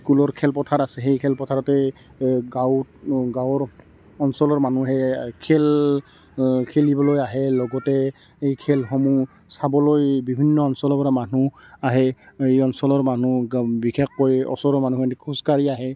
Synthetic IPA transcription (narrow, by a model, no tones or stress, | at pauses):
skulɔɹkʰɛlpɔtʰaɹasɛxejkʰɛlpɔtʰaɹɔtɛ | ɡawɡawɔɹ | ɔnsɔlɔɹmanuɦɛkʰel | kʰelibɔlojaɦɛlɔɡɔtɛ | ejkʰɛlxɔmu | sabɔlojbibʱinːɔɔnsɔlɔpɔɹamanuaɦɛejɔnsɔlɔɹmanubikʰekːɔjɔ̰sɔɹɔɹmanukɔntikʰuskaɹiaɦɛ